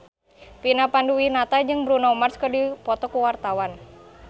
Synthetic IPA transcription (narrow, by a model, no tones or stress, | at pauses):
pinapanduwinat̪ad͡ʒɨŋbɾunaumarskərdipɔt̪ɔkuwart̪awan